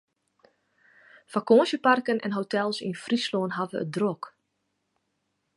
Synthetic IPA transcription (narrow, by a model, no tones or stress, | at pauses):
fakoːnsjəparkənɛ̰nɦowtɛlˠsinfrisloːnɦavə̰ə̰t̚drok